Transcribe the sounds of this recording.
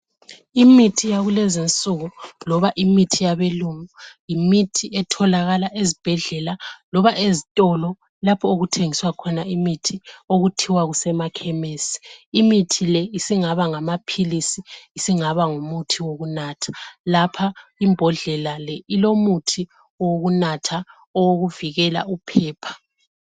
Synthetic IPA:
imitʰijaɣulɛzint͡sʼuɣulɔβaʔimitʰijaβeluŋujimitʰiʔɛtʰɔlaɣalaʔezib̥ʱɛɮɛlalɔβaʔezitʼɔlɔ | lapʰɔoɣutʰeŋiswakʰɔnaimitʰioɣutʰiwaɣusɛmakʰɛmeːsi̥ːmitʰilɛisiŋaβaŋamapʰilisiisiŋaβaŋumutʰiwoɣunaːtʰḁlapʰaimbʱɔɮɛlalɛilomutʰi | ɔwoɣunatʰa | ɔwoɣuviɣɛla̰upʰɛːpʰḁ

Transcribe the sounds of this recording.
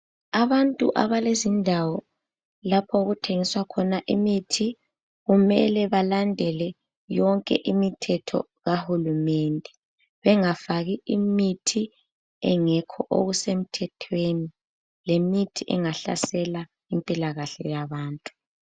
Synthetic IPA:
aβantʼṵʔa̰βalezindʱawɔ | lapʰɔɣutʰeŋiswakʰɔnaʔimitʰi | ɣumɛlɛβalandʱɛlɛ | jɔŋkʼɛ̰ʔimitʰɛtʰɔ̰ | ɣahulumɛndʱɛ | βɛŋafaɣiimitʰi | ɛ̰ŋɛkʰɔʔo̰ɣusem̩tʰɛtʰweni | lemitʰiʔɛŋaɬa̰sɛla | impʼilaɣaɬɛ̰jaβaːntʼu̥

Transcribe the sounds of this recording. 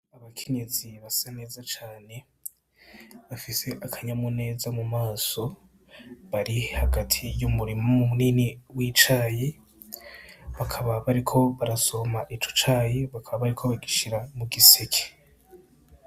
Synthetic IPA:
aβakʰe̞ɲe̞ziβasane̞ːzat͡ʃaːne̞ | βafise̞ʔakʰaɲamone̞ːzamumaːso̞ | βaɾihaɡatʰijumuɾimoomumuniːniwiːt͡ʃaːje | βakʰaβaβaɾikʰo̞βaɾaso̞maʔit͡ʃo̥t͡ʃaːjeβakʰaβaβaɾikʰo̞βaɡiʃiɾamuɡisekʰe̥

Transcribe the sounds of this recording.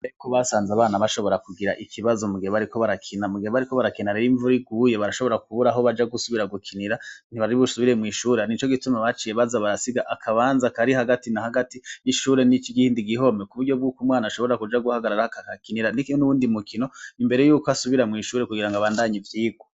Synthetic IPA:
ekoβasaːnzaβaːnaβaʃo̞βo̞ɾakuɡiɾa̰ʔikʰiβazo̞muɡihoβaɾiko̞βaɾakʰinamuɡihoβaɾiko̞βaɾakinaɾeɾiɱvuɾiɡujeβaɾaʃoβo̞ɾakuβuɾaɦo̞βad͡ʒaɡusuβiɾaɡukʰiniɾaniβaɾiβusuβiɾe̞mŋiːʃuːɾenit͡ʃo̞ɡitumaβat͡ʃije̞βazaβaɾasiɡaʔakʰaβaːnzakaɾihaɡatinahaɡatiiʃuːɾe̞nit͡ʃiɡihiːndiɡiɦo̞mekuβuɾɟob̚ɡuːkumŋwaːnaʃo̞βoeakud͡ʒaɡuhaɡaɾaɾahakakakiniɾanikinonuβuːndimukʰino̞imbe̞ɾe̞juːkoasuβiɾamŋiːʃuːɾekuɡiɾaŋɡaβaːndaːɲivjiːɡwo

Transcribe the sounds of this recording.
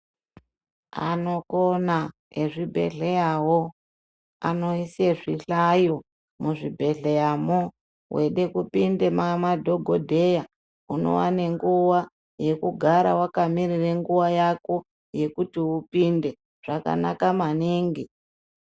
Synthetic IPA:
a̰no̞kona | eʐibʱe̞̰ɮe̞jawo | a̰no̞isieʐiɬajo | muʐibʱe̞ɮe̞jamo | wʔeɗe̞kupindemamadʱo̞ɡʱodʱe̞ja | uno̞̰wa̰ne̞ŋɡuwa | je̞kuɡʱaɾawakamirire̞ŋɡuwajako̞ | je̞kutiupinde̞ | ʐ̥aka̰na̰kamaniːŋɡi

